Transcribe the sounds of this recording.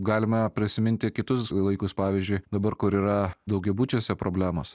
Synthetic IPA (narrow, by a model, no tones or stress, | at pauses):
ɡɑːlʲɪmɐpʲɾʲɪsʲɪmʲɪnʲt̪ʲɪkʲɪt̪ʊslˠɐɪkʊspɑːʋʲiːzʲd͡ʒʲʊɪd̪ɐbɐɾkʊɾiːɾɐd̪ɐʊɡʲɛbuːt͡ʃʲosʲɛpɾoːbʲlʲæːmo̰ːs